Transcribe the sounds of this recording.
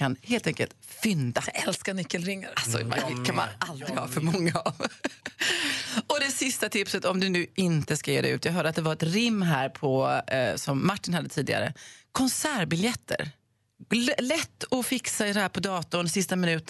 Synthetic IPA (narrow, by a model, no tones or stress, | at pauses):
anheːlt̪ɛŋkə̰lt̪fʏnd̪aɛlskanʏkːəlɾɪŋːaɾasɔ̰ma̰kʰanma̰nʔald̪ɾɪɡhɑ̰ːfœɾmɔŋːav | ɔd̪ɛsɪst̪at̪ʰɪpsət̪ɔmd̪ɵnʉ̟ːʔɪnt̪əskajeːd̪ɛ̰ʉ̟ːt̪ʰjɑɡɦœːɖəat̪d̪ɛvaɾɛt̪ɾɪmːɦæːɾpʰɔsɔmːaʈːɪnhad̪ːət̪ʰiːd̪ɪ̰ɡa̰ɾə̰kʰɔnsæːɾbɪljɛt̪ʰːə̰ɾ | lɛt̪ːɔfɪksaɪd̪ɛhæːɾpʰɔd̪ɑːt̪ʊnɛsɪst̪amɪnʉ̟ːt̪